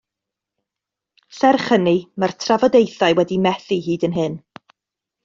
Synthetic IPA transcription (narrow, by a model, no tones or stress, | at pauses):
sɛrχənimartʰravɔdejθaɨwɛdimɛθiɦiːdənɦɨn